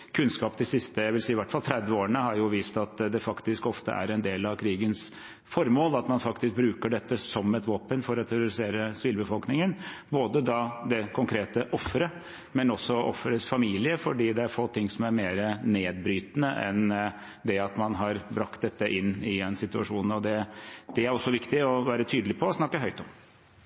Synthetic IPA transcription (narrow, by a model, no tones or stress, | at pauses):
kʰʉnskɑːp̚d̪ɪsɪst̪əjæɪʋɪlsiːɪʋæʈfɑlt̪ʰɾɛd̪ʋəoːəɳəhɑɾjʊʋiːst̪ɑt̪d̪ɛfɑkt̪ɪskɔft̪ə̰ʔæ̰ɾɛnd̪eːlɑʋkʰɾiːɡəns | fɔɾmoːlɑt̪mɑnfɑkt̪ɪsk̚bɾʉːkəɖɛt̪ːəsɔmɛt̪ʋoːpənfɔɾɔt̪ʰæɾʊɾɪseːɾəsʋiːlbəfɔlknɪŋənboːd̪əd̪ɑd̪ɛkʰʊŋkʰɾeːt̪əʔɔfːɾə | mɛnɔsːɔɔ̰fːɾəsfɑmiːlɪəfɔɖiːd̪ɛæɾfoːt̪ʰɪŋːsɔmæɾmeːɾəneːd̪̚bɾyːt̪nəʔɛ̰n | d̪ɛɑt̪mɑnɦɑɾbɾɑkt̪̚d̪ɛt̪ːəʔɪnːɪɛnsɪt̪ʉɑʂuːnn̩ɔd̪ɛd̪̥ɛæɾɔsːɔʋɪkt̪ɪɔʋæːɾət̪ʰyːd̪əlɪpʰɔːsnɑkːəɦœʏt̪ɔm